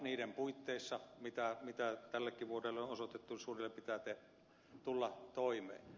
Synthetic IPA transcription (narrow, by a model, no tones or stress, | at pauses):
niːdempuit̪ːeˑisːɑmit̪æmit̪æt̪ælːækːiʋuorelːeonosot̪et̪ːusuːrilːempit̪æt̪e | t̪ulːɑt̪oˑimˑḛːn